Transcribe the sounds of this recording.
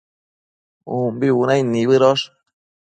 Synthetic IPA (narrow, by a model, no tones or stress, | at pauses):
umbiunajniβɨɾoʂ